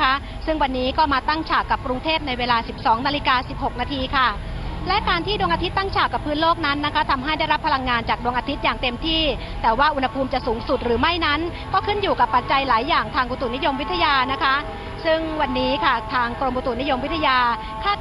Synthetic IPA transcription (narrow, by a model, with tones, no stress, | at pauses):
a˦˥ʔ | sɯ˥˩ŋwa˧nːiː˦˥kɔː˥˩maː˧t̪a˥˩ŋt͡ɕʰaː˨˩kːa˨˩p̚kɾu˧ŋt̪ʰeː˥˩p̚na˧jweː˧laː˧si˨˩p̚sɔː˩˦ŋnaː˧li˧kaː˧si˨˩p̚ho˨˩k̚naː˧t̪ʰiː˧kʰa˥˩ | lɛ˦˥kaː˧nt̪ʰiː˥˩du˧əŋʔa˧t̪ʰi˦˥t̪ːa˥˩ŋt͡ɕʰaː˨˩kːa˨˩pʰːɯː˦˥nloː˥˩k̚na˦˥nːa˦˥kʰa˦˥t̪ʰa˧mɦa˥˩jda˥˩jɾa˦˥pʰːa˧la˧ŋːaː˧nt͡ɕaː˨˩k̚du˧əŋʔaː˧t̪ʰi˦˥t̪̚jaː˨˩ŋt̪e˧mt̪ʰiː˥˩ | t̪ɛː˨˩waː˥˩ʔu˧nha˧pʰuː˧mt͡ɕa˨˩suː˩˦ŋsu˨˩t̪̚ɾɯː˩˦ma˥˩jna˦˥n | kɔː˥˩kʰɯ˥˩njuː˨˩ka˨˩pːa˨˩t̪̚t͡ɕa˧jlaː˩˦jːaː˨˩ŋt̪ʰaː˧ŋʔu˧t̪u˨˩ni˦˥jo˧mwt̪ʰa˧jaː˧na˦˥kʰa˦˥ | sɯ˥˩ŋwa˧nːiː˦˥kʰa˥˩t̪ʰaː˧ŋkɾo˧mʔu˧t̪u˨˩ni˦˥jo˧mwi˦˥t̪ʰːa˧jaː˧ | kʰaː˥˩